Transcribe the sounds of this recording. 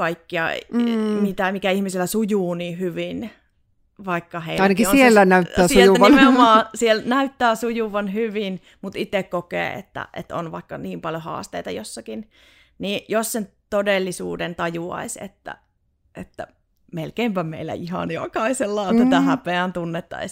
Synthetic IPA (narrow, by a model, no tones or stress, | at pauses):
kɑikːiɑ̰mit̪æmikæihmisilːˑæsujuːniːhyʋin | ʋɑikːɑheiɑinɑkiosielːænæyt̪ːæːsujuʋimeomɑːsielnæyt̪ːæːsujuʋɑnhyʋin | mut̪it̪ekkokḛːḛt̪ːæ̰ʔḛt̪o̰nʋɑ̰ikːɑniːmpɑljohɑ̰ːst̪eit̪ɑjosːɑkin | niːʔjossent̪odelːisṵːdent̪ɑjuɑ̰isḛt̪ːæ̰ | ʔḛt̪ːæ̰ | melkeimpæmḛilːæ̰ihɑ̰njokɑiselːɑːt̪æt̪æhæpeænt̪unːet̪ːɑ̰is